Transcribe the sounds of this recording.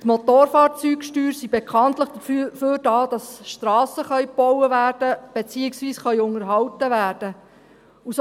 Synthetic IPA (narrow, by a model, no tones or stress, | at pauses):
tmot̪oːɾfɑːɾt͡syːkʃtyːɾsibekʰɑntləχd̥əfføːɾdɑːd̥ɑsʃtɾɑːsəχœʏb̥ɔwəvæːrd̥əb̥et͡siːɪksʋiːsχœʏʊŋəɾɦɑwtəʋæːrd̥ə | us